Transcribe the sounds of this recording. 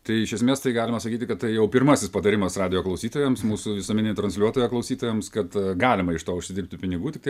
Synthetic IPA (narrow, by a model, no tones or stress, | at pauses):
t̪ɐɪɪʃʲɛsʲmʲeːst̪ɐɪɡɑːlʲɪmɐsɐkʲiːt̪ʲɪkɐt̪tɐɪjɛʊpʲɪɾmɐsʲɪspɐt̪ɐɾʲɪmɐsrɑːd̪ʲɪjoːklˠɐʊsʲiːt̪oːjɛmsmuːsʊʋʲɪsuomʲɪnʲet̪ɾɐnsʲlʲuɔt̪oːjɛklˠɐʊsʲiːt̪oːjɛmskɐt̪ɡɑːlʲɪmɐɪʃt̪oːʊʃʲsʲɪd̪ʲɪɾʲrp̚ʲt̪ʲɪpʲɪnʲɪɡuːtʲɪk̚t̪ɐɪ